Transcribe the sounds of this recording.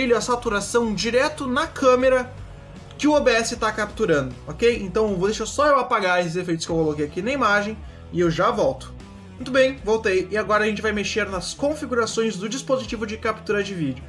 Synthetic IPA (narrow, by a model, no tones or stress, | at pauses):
iʎʊɐsat̪uɾasɐ̃w̃d͡ʒiɾɛt̪ʊnɐkʰɐ̃meɾɐ | kɪʊobeɛsɪt̪akap̚t̪uɾɐ̃nd̪ʊɔkejḛ̃nt̪ɐ̃w̃vod̪eʃasɔewɐpaɡaɾes̬ɪzefejt̪ʊ̥skɪewkolokejakinɐimaʒẽj̃ | ɪewʒavɔwt̪ʊ̥ | mũt̪ʊbẽj̃vowt̪ejɪaɡɔɾɐʒẽnt͡ʃɪvajmeʃeɾnɐskõfiɡuɾasõj̃zd̪ʊd͡ʒispozit͡ʃivʊd͡ʒɪkap̚t̪uɾɐd͡ʒɪvid͡ʒʊ